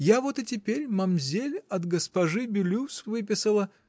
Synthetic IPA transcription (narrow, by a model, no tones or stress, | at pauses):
javot̪ɨtʲɪpʲeɾʲmɐmzʲelʲɐt̪ɡəspɐʐɨbʲɪlʲusvɨpʲɪsəlˠə